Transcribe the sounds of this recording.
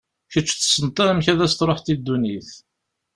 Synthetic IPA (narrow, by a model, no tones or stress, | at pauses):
çət͡ʃːθə̥sːənt̪ˤɑɾmçæðæst̪ɾˤoħt̪id̪ːuniθ